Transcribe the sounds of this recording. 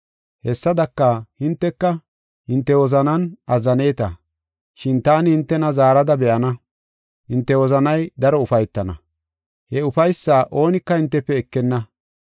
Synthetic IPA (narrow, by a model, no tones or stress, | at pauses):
hɛsːɐd̪ɐkːɐhɪnt̪ːɛkːɐ | hɪnt̪ːɛwɔzɐnɐnɐzːɐne̞ːt̪ɐ | ʃɪnt̪aːnɪhɪnt̪ːɛnɐzaːɾɐd̪ɐbɛʔɐnɐ | hɪnt̪ːɛwɔzɐnɐjd̪ɐɾɔʊfɐjt̪ːɐnɐ̰ | hɛʊfɐjsːaːʔo̞ːnɪkːɐhɪnt̪ːɛpːɛːkːɛnːɐ